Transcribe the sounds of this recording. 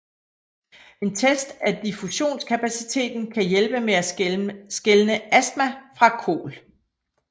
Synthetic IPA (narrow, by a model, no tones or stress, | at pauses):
e̝nt͡sʰesd̥æd̥ifuɕo̝̰ːnskʰæpʰæsit͡sʰe̝̰ːd̥n̩kʰæjelb̥əmeæsɡ̥elnəʔæs̚mæfʁɑ̈kʰo̝̰ːl